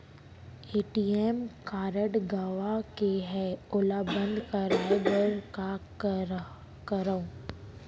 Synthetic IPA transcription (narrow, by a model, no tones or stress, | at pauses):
eːʈiɛmkaːɾəɖɡaʋakeɦɛʊlabə̃nd̪ʱkəɾnebəɾka | kəɾəõ